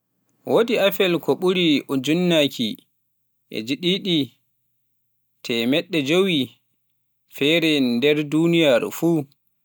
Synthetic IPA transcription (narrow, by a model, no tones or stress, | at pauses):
wʔodiafɛlkʰɔɓuɾiud͡ʒunːakʰi | ʔɛ̰d͡ʒiɗiɗi | tʰɛmɛɗːɛd͡ʒowi | fɛɾɛndɛɾdunijaɾ̰fuː